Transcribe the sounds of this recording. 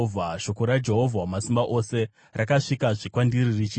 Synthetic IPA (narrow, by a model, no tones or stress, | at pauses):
vʱaʃo̞ko̞ɾad͡ʒe̞ɦo̞vʱawmasimbaʔo̞se̞ | rakaʂikaʐikwandiririt͡ʃi